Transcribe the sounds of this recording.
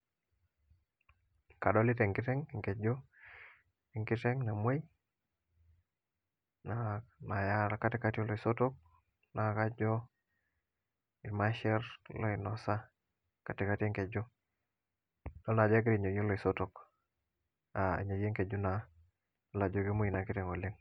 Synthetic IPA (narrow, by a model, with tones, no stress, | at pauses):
ka˨dɔ˦li˦tɛ˨ŋkɪ˦tɛ˦ŋŋke˨d͡ʒo˦ | i˨ŋkɪ˦tɛ˦ŋna˨mwe˦j | na˨na˨ja˦ɾa˦ka˦tɪ˦ka˦ti˦o˦lɔ˨i˨so˦to˦k̚ | na˨ka˦d͡ʒɔ˦ | i˨ma˦ʃɛ˦ɾlɔ˨i˨nɔ˨sa˦ | ka˨tɪ˨ka˦te˦ŋke˨d͡ʒɔ˦ | dɔ˦na˨d͡ʒa˦ɡɪ˦ɾi˨ɲo˨je˦lɔ˨i˨so˦to˨k | a˨ḭ˨ɲo˨je˦ŋke˨d͡ʒu˦na˨˦ | la˨d͡ʒo˨ɡi˦mo˦i˨na˨ki˦tɛ˨ŋɔ˨lɪ˦ŋ